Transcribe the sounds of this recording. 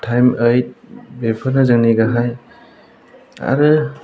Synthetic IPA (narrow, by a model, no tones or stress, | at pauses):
tʰajməjt̚bepʰaɾnɐzɯŋniɡaɦaj | a̰ɾɯ